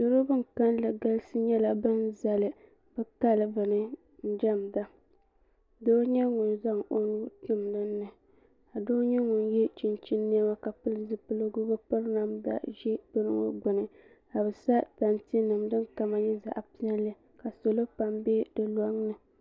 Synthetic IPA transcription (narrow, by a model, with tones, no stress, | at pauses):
dɨ˦ɾo˦bɨ˦ŋka˦nlɨ˨ɡa˦lsɨ˦ɲɛ˦la˨bɨ˦nza˨lɨ˨ | b̥ɨ˦ka˦˨lɨ˨bɨ˨nɨ˦ | n̩˦d͡ʒa˦˨mda˦ | doː˦ɲɛ˦ŋʊ˨nza˦˨ŋo˦nu˦tu˦m˨nɨ˦nːɨ˨ | a˨doː˦ɲɛ˦ŋʊ˨njɛ˦t͡ʃi˦nt͡ʃi˦nːe˦ma˦ka˨pɨ˦lɨ˨zɨ˦pɨ˦lɨ˦ɡʊ˦bɨ˦pɨ˦ɾna˦mda̰˦ʒɛ˦b̥ɨ˦nɨ˦ŋo̰˦ɡ͡bʊ˨nɨ˨ | a˨bɨ˨sa˦ta˨nti˦nɨ˨mdɨ˦ŋka˨ma˨ɲɛ˦za̰˨ʔpi˦ɛ˦lɨ˦ | ka˨so˨lo˦pa˨mbe˦dɨ˨la˦ŋnɨ˨